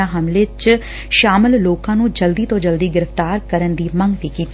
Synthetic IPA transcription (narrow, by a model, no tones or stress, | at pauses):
ãːɦəmlɪt͡ʃ | ʃaːməlloːkãːnũːd͡ʒəld̪iːt̪õːd͡ʒəld̪iːɡɪɾəft̪aːɾkəɾənd̪iːməŋɡt̪iːkiːt̪ː